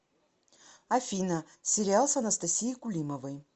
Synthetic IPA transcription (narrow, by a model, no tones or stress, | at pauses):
ɐfʲinɐ | sʲɪɾʲɪalˠsɐnɐst̪ɐsʲijikʊlʲiməvəj